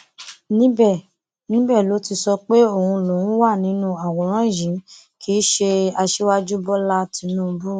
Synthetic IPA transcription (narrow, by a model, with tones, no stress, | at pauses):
nĩ˦bɛ˦˨ | nĩ˦bɛ˦˨lo˨˦ti˧sɔ˧k͡pe˦o˦˨hũ˧lo˨ũ˨˦wa˦˨nĩ˦nũ˦a˨wɔ˨ɾ̃ã˦˨jĩ˨˦ | ki˨˦ʃe˧a˧ʃe˦wa˦d͡ʒu˦bɔ˦la˦tĩ˨˧˦nũː˦˧bu˦˨